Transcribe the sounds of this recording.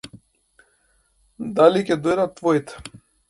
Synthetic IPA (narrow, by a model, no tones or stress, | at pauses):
d̪alikʲɛd̪ɔjd̪at̪ːvɔit̪ɛ̥